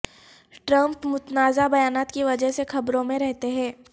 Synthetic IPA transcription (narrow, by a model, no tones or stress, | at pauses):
ʈɾɐ̃mpmʊt̪naːzabɐjaːnaːt̪kiʋɐd͡ʒəɦsexɐbɾõmẽɾɛɦt̪eɦɛ̃ː